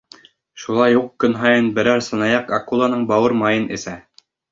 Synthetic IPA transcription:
ʃulˠɑjuqkɵ̆nɦɑjɤnbɘ̆ɾæɾsɤ̆nɑjɑqɑkulˠɑnɤɴbɑwɤɾmɑjɤnɘ̰̆sæ

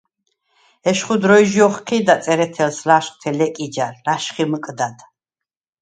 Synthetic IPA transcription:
ɛʃχud̪ɾɔjʒjɔχqʰid̪at̪sʼɛɾɛt̪ʰɛlslaʃχʼt̪ʰɛlɛkʼid͡ʒaɾlaʃχiməkʼd̪ad̪

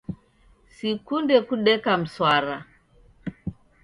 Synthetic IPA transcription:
sikundɛkuɗɛkam̩swaɾa̰

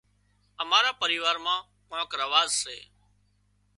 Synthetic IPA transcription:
əmaːɾaːpəɾiːʋaːɾmãː | kãːkɾəʋaːzsḛː

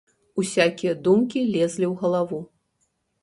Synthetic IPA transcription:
usʲakʲijɐd̪umkʲilʲɛzʲlʲiwɣɐlˠavu

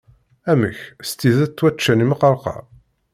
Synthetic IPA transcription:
æmə̰çst̪iðæt̪ːwæt͡ʃːæniməqːɑɾˤqɑ̰

